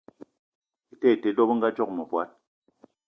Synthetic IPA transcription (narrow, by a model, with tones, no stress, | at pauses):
i˦tɛ˦˨te˨dɔ˦bŋ̩˦ɡa˦d͡ʒɔ˦k̚mɔ˨pwa˦t̚